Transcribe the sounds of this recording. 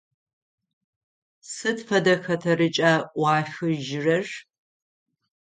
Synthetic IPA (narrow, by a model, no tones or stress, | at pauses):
sɨtfɐdɐxɐtʰɐrɨt͡ʃʼaːʔʷɑːxɨʒɪrɐr